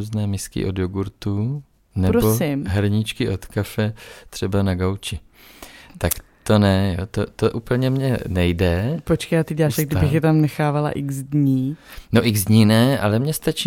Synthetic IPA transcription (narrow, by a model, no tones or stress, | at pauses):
uːznɛːmɪskɪ̰ʔo̞djoɡuɾt̪u | nɛbɾoosɪmɦɛɾɲɪt͡ʃkɪʔo̞t̪kafɛt̪r̥ɛbanaɡawt͡ʃɪ | t̪akt̪o̞nɛjo̰t̪ot̪oʔuːpl̩ɲɛmɲɛnɛjdɛpot͡ʃkejat̪ɪɟɛlaːʃaɡ̚dɪbɪxjɛt̪amnɛxaːvala̰ʔɪɡzdɲiːnoʔɪɡzd̪ɲinɛʔa̰lɛmɲɛst̪at͡ʃiː